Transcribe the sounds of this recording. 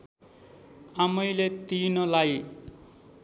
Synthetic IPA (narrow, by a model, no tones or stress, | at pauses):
amʌjlet̪inʌlaj